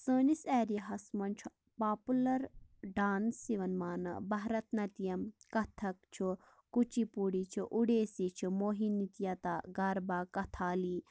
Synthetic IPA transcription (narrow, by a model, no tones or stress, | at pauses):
səːnisɛːɾijɐɦɐsmɐnʲt͡ʃʰu | paːpulɐɾɖaːnsiʋɐnmaːnɨ̰bɐɦɾɐt̪nɐt̪ijɐmkɐt̪ʰɐk̚t͡ʃʰu | kut͡ʃipuɽit͡ʃʰuʔuɽeːsit͡ʃʰumoːɦinit̪jɐt̪aːɡɐɾbaːkɐt̪ʰaːliː